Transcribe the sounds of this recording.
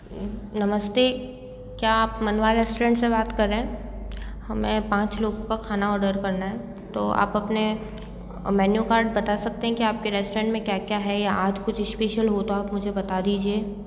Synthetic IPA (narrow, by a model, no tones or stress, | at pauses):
nɐməst̪eː | kjaːaːpmɐnʋaːɾɛːsʈoːɾɛ̃ɳʈsebaːt̪kɐɾẽː | hɐmẽpãːt͡ʃloːɡõkakʰaːnaɔːɾɖəɾkɐɾnaɦɛː | t̪o̰ːa̰ːpɐpne | mɛːnjukaːɾɖ̚bɐt̪asɐk̚t̪eɦɛ̃kiaːp̚keɾɛːsʈoːɾɛ̃ːɳʈmẽkjaːkjaɦɛjaʔaːd͡ʒkʊt͡ʃʰɪspeːʃəlɦot̪oaːpmʊd͡ʒʱebɐt̪ad̪iːd͡ʒieː